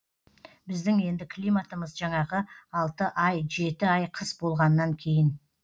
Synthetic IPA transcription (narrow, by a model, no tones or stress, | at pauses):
bɪzd̪ɪŋe̞nd̪ɪkʲʰlˠijmat̪əməzʒɑɴɑʁəɑlˠt̪əʔɑjʒe̞t̪ɪɑjqʰəsbo̞lˠʁɑnːɑŋkʲʰe̞jɪn